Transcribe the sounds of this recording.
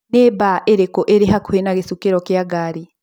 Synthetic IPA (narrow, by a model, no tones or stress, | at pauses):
neːbaʔeɾekɔʔeɾeɦakuenaɣesukeɾɔkjaɡaɾi